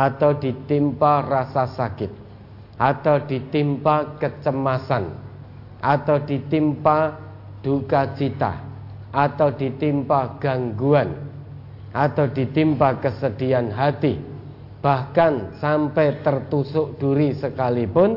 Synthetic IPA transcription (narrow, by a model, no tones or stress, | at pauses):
ʔat̪awdit̪imparasasakɪt̪̚ | ʔat̪awd̥it̪impakət͡ʃəmasan | ʔat̪awdit̪impa | d̥ukat͡ʃit̪a̰ | ʔat̪awd̥it̪impaɡ̥aŋɡuan | ʔat̪awdit̪impakəsəd̥ianɦat̪i | b̥ahkansampɛt̪ərt̪usʊʔd̥uɾisəkalipʊn